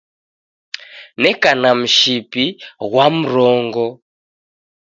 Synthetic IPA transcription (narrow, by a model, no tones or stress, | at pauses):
nɛkanam̩ʃipiɣwam̩ɾɔːŋɡɔ